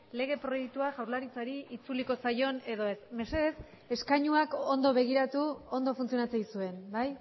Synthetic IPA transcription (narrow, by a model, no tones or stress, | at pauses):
le̞ɣ̞e̞pɾo̞je̞kt̪uaʝawɾlaɾit͡saɾiʔit͡suliko̞sajo̞ne̞ðo̞e̞sme̞se̞ðe̞s | e̞skaɲuako̞nd̪o̞βe̞ɣ̞iɾat̪uond̪o̞funt͡sijo̞nat͡sejsue̞nbaj